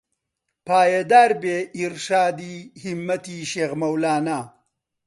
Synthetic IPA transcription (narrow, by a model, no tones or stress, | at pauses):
paːjed̪aːɾbeʔiɾʃaːd̪ihimːɐt̪iʃeːɣmɐwlaːnaː